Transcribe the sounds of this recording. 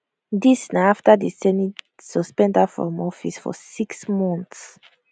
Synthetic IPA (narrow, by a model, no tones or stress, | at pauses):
disnaaftədisɛni | suspɛ̃ndafɔ̰mɔfisfɔ̰siksmɔ̃nts